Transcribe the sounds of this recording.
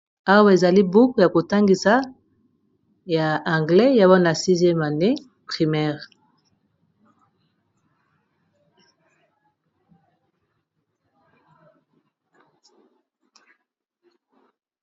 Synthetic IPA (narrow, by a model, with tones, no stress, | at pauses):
a˦wa˦e˨za˨li˦bu˦kja˨ko˨ta˦ŋɡi˨sa˦ | ja˨ã˨ŋɡlɛ˦ja˦wa˦na˨si˦zjɛ˦ma˨ne˦ | pʁi˨mɛː˦ʁ